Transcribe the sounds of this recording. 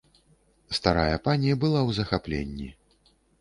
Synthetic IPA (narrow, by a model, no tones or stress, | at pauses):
st̪aɾajɐpanʲijɐbɨlˠawzɐxaplʲḛnʲːḭ